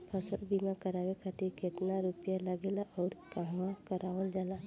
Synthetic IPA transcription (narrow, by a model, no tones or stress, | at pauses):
pʰəsəlbiːmakəɾaːʋekʰat̪iɾket̪naɾupjalaɡeːlaʔɔːɾkaɦmãkəɾʔaːʋəld͡ʒaːla